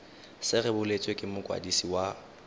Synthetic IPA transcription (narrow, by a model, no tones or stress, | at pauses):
sɪrɛbʊlet͡sʼwekʼɪmʊkʼwa̰disiwa